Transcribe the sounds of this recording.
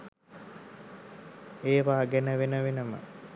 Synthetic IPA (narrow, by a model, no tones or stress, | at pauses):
eːʋaːɡenəʋenəʋenəmə̰